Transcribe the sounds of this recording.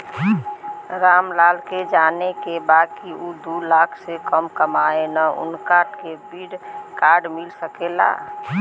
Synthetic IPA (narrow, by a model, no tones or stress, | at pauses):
ɾaːmlaːlked͡ʒaːnekebaːd̪kiud̪ulaːkʰsekəmkəmaenaʊ̰nkaʈkebiɽkaːɾɖmɪlsəkela̰ː